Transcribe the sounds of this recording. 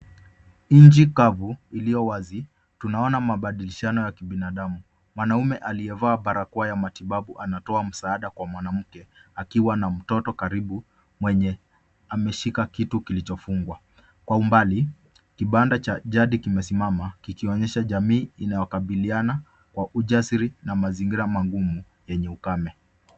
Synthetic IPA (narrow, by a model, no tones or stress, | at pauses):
ɲd͡ʒikavuilijɔwazi | tunaɔnamaɓaɗiliʃanɔjakiɓinaɗamu | mwanaumɛʔaliɛvaːɓaɾakuajamatiɓaɓuʔanatɔam̩saːɗakwamwanam̩kɛakiwanam̩tɔtɔkaɾiɓu | mwɛɲɛ | amɛʃikakitukilit͡ʃɔfuŋɡwa | kwaumbali | kiɓandat͡ʃaʄaɗikimɛsimamakikiɔɲɛʃaʄamiːinajɔkaɓiliana | kwaʔuʄasiɾinamaziŋɡiɾamaŋɡumu | jɛɲɛukamɛ